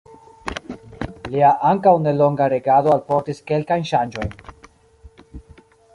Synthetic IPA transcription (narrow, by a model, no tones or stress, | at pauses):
liaʔaŋkawne̞lo̞ŋɡaɾeɡadoalpo̞ɾtiske̞lkajnʃand͡ʒo̞jn